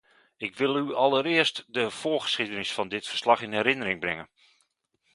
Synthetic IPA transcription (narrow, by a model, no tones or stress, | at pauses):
ɪkʋɪlˠyɑlˠəɾɪəstdəv̥ʊːəχə̥sχidənɪsfɑndɪtfə̥rslɑχɪnɛɾɪnəɾɪŋbrɛŋən